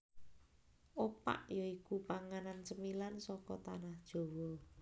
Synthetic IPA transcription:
ʔopa̰ʔjɔikupaŋanant͡ʃəmilansɔkɔt̪anahd̥ʒ̥o̤wɔ

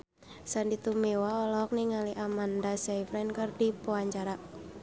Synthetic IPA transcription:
sandit̪umewaɔlɔk̚niŋaliʔamandasajfɾɛnkərdipoaɲt͡ʃaɾa

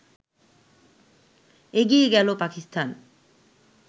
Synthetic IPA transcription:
eɡieɡɛlopakist̪ʰan

